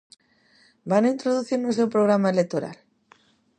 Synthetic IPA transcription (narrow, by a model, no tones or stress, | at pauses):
banaint̪ɾoðuθiɾnus̬ewpɾoɣ̞ɾamaelek̚t̪oɾa̰l